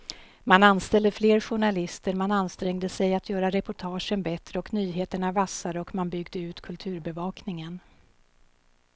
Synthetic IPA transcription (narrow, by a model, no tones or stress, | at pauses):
mananst̪ɛld̪əfleːɾɧʊɳalɪst̪əɾmananst̪ɾɛŋd̪əsɛjat̪ʰjœːɾaɾɛpʊʈʰɑːʂənbɛt̪ɾəɔknyːɦeːt̪əɳavasaɾəɔkmanbʏɡd̪əʉ̟ːt̪kʰɵlt̪ʰʉ̟ːɾbɛvɑːknɪŋən